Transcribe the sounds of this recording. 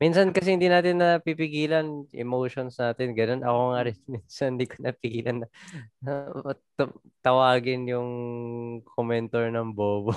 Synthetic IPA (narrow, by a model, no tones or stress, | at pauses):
minsɐnkɐs̬ɛhɪnd̪inaːt̪ɪnːɐpipɪɡiːlɐnʔɛ̰mowʃonsnaːt̪ɪnɡɐno̞nɐko̞ŋaɾɛnminsɐnd̪ikʰonɐpɪɡiːlʔɐnːɐ | t̪ | t̪ɐwaːɡɪnjʊŋ | kʰomɛnt̪ɔɹnɐŋboːbo